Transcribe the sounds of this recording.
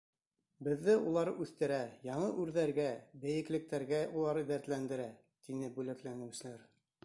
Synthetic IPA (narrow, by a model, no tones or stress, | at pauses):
bɘ̆ðːɘulˠɑɾʉθt̪ɘ̆ɾæjɑɴɤʔʉɾðæɾɡæbɘ̆jɘ̆klɘ̆k̚t̪æɾɡæulˠɑɾd̪æɾt̪lænd̪ɘ̆ɾæ | t̪inɘbʉlæklænɘ̆sɘ̆læɾ